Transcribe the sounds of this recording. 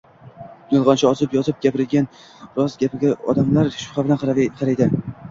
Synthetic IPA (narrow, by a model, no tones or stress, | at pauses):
jɒlˠʁɒnt͡ʃʰaɒzɪpjɒzɪp̚ɡʲapɪɾɪd̪ɡʲan | ɾɒzɡʲapɪɡʲaɒ̰d̪amlaɾʃʊ̥χɑbɪlanqʰqʰɑɾajd̪ɪ